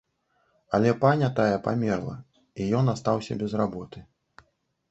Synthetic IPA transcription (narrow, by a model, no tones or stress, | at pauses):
alʲɛpanʲɐt̪ajɛpamʲɛrlˠɐ̰ | ijɔnast̪awsʲɐ̰bʲɛzrabɔt̪ɨ